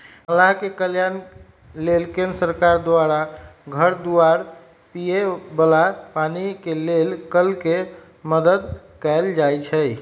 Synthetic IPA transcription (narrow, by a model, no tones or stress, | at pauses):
əlaɦkekəljan | lelkẽnɾəsəɾkaɾd̪waɾaɡʱəɾd̪uaɾ | pijebəlapanikelelkəlke | məd̪əd̪ | kɛɪld͡ʒajt͡ʃʰə